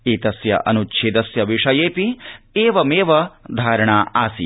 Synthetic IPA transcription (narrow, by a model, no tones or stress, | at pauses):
iːt̪ɐsjɐ̰ʔɐ̰nut͡ʃːt͡ʃʰid̪ɐsjɐʋiʂɐjeːpieːʋɐmeːʋɐd̪ʱaːɾɐɳaːʔaːsḭ